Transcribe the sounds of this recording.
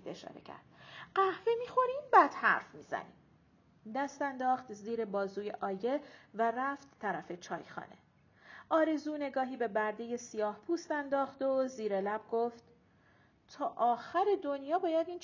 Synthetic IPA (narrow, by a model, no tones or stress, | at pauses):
d̪e̞̰ʃɒ̰ːɾḛcʰæ̰ɾd̪̥ɢ̥æhvemiːxo̞ɾiːmbæd̪̥hæ̰ɾfmiːz̥æ̰nḭːm | d̪æst̪ænd̪ɒːxt̪ziːɾe̞bɒːzuːjeʔɒːje̞væræft̪t̪ʰːæɾæfe̞t͡ʃʰɒ̰ːjxɒ̰ːne̞̰ | ʔɒːɾe̞zuːne̞ɡɒːɦiːbe̞bæɾd̪e̞je̞sijɒːhpʰuːst̪ænd̪ɒːxd̪oziːɾelæb̥̚ɡoft̪ | t̪ʰɒːʔɒːxæɾe̞d̪o̞njɒːbɒːjæd̪iːnt͡ʃ